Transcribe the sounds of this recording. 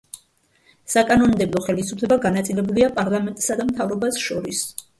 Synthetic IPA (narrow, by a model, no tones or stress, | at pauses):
sakʼanɔnd̪ɛblˠɔχɛlisupʰlɛbaɡanat̪sʼilɛbuliapʼaɾlˠamɛnt̪ʼsad̪amt̪ʰavɾɔbasʃɔɾis